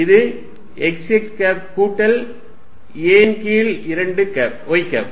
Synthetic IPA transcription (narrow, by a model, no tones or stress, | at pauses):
ɪðɯ | ɛksɛk̚ʈkaːp̚kuːʈːɐl | eːnkiːlɪɾɐɳɖɯkaːp̚ɔjkɐ̰ːp̚